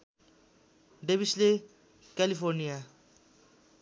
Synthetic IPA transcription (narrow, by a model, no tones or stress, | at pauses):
ɖebisle | kɛlifoɾnija